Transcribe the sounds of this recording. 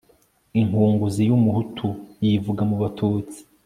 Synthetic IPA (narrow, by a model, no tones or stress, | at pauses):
iŋhuːŋɡuzijumuhutʰujivuɡamuβatʰuːt͡si̥